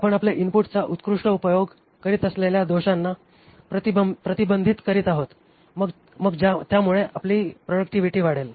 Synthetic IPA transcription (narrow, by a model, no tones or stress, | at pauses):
apəɳapleʔinpuʈt͡saʔut̪kɾuʂʈəupəjoɡ | kəɾiːt̪əsleljad̪oɕanːa | pɾət̪ipɾət̪ibənd̪ʱiːt̪kəɾiːt̪aɦot̪ | məɡ | məɡd͡ʑat̪jamuɭeʔapliːpɾoɖək̚ʈiʋiʈiːʋaɽ̤el